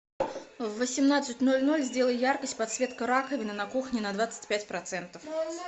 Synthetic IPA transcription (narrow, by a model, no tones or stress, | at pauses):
vːəsʲɪmnat̪sɨtʲnolʲnolʲzʲdʲe̞lˠəjjarkəsʲtʲpɐt̪svʲe̞t̪kəɾakəvʲɪnənɐkuxnʲɪnɐd̪vat̪sɨ̥tʲpʲætʲpɾɐt̪sɛnt̪əf